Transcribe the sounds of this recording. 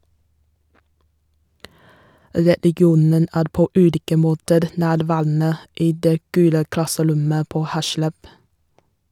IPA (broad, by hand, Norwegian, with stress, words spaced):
ɾɛlɪˈɡjuːnən ˈæːɾ ˈpoː ˈʉːliːkə ˈmoːtəɾ ˈnæːɾˌʋæːɾn̩ə ˈiː ˈdeː ˈɡʉːlə ˈklɑsəˌɾʊmə ˈpoː ˈhæʃləb